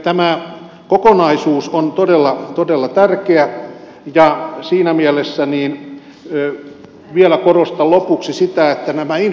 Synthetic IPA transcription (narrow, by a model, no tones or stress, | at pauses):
t̪æmæ | kokonɑisuːsont̪odelːɑt̪odelːɑt̪ærkeæ | jɑsiːnæmielesːæniːnː | ʋielækorost̪ɑllopuksisit̪æet̪ːænæmæin